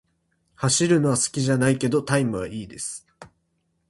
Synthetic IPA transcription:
haɕiɾɯ̟no̞βasɨ̥kʲiʑanaike̞d̪o̞t̪aimɯ̟βa̰ʔiːd̪e̞sɨ̥

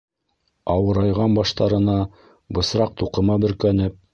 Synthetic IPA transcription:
ɑwɤ̆ɾɑjʁɑnbɑʃt̪ɑɾɤ̆nɑ | bɤ̆sɾɑq̚t̪uqɤ̆mɑbɵ̆ɾkænɘp̚

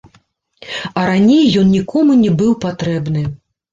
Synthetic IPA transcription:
ɐɾanʲejːɔnnʲikɔmunʲɛbɨwpat̪ɾɛbnɨ

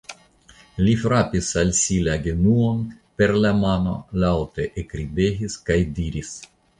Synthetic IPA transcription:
lifɾapisalsilaɡenuonpeɾlamano̰lawt̪eʔekɾibeɦiskajd̪iɾis

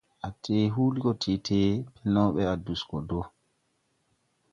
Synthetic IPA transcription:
ʔatʰeːɦuːlikɔtʰetʰeːpʰɛnɔwɓɛaduskɔdɔ

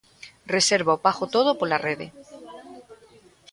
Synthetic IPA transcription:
reseɾβaopaxot̪oð̞opolareð̞e

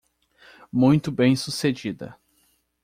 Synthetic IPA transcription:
mũj̃t̪ʊbẽj̃sused͡ʒid̪ɐ̰

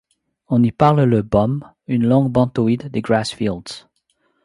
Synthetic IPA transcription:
ɔ̃nipaʁlləbɔm | ynlɔ̃ŋɡbɑ̃t̪oid̪ːeɡɹasfild̪z̥

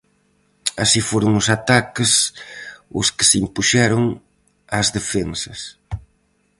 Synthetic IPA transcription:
asifoɾʊŋʊsat̪akɪs | ʊ̰skɪ̥simpuʃɛɾʊŋ | azðefensɐs

